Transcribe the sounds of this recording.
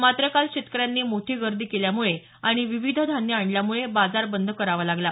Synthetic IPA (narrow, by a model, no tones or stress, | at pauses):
mat̪ɾəkalɕet̪kəɾjanːiːmoʈʰiːɡəɾd̪iːkeljamuɭe | aɽ̃iʋiʋid̪ʱd̪ʱanjəaɳljamuɭebad͡zaɾbənd̪ʱəkəɾaʋalaɡla